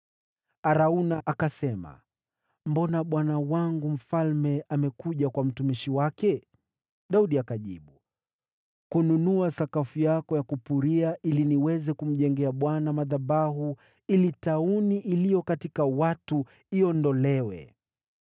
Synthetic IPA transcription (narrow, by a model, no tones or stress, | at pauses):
aɾaunaʔakasɛma̰ | mbɔnaɓwanawaŋɡum̩falmɛʔamɛkuʄakwam̩tumiʃiwakɛ | ɗauɗiakaʄḭɓu | kununuasakafujakɔjakupuɾiaʔiliniwɛzɛkum̩ʄɛŋɡɛaɓwanamaðaɓaɦu | ilitauniʔilijɔkatikawatu | iɔndɔlɛwɛ̰